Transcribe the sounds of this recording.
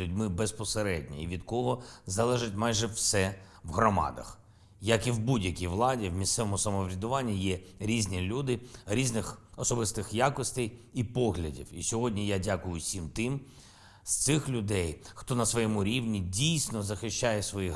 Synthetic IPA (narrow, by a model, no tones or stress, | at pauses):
ʊdʲmɪbespɔseɾɛdʲnʲɐ̰iʋʲid̪kɔɦɔzɐlˠɛʒɪtʲmɑjʒɛwsɛ | ʋɦrɔmɑ̰d̪ɐ̰x | jɐkiwbudʲjɐkʲijʋlˠɑdʲiwmʲissɛʋɔmʊsɐmɔʋɾʲɐd̪ʊʋɑnʲːijɛɾʲizʲnʲilʲud̪ɪɾʲiznɪxɔsɔbɪst̪ɪxjakɔsʲt̪ɛjipɔɦlʲɐdʲḭwḭsʲɔɦɔdʲnʲijadʲakʊjʊsʲimt̪ɪm | st̪sɪxlʲʊd̪ɛjxt̪ɔnɐsʋɔjɛmʊɾʲiʋnʲidʲijsʲnɔzɐxɪʃʲt͡ʃajɛsʋɔji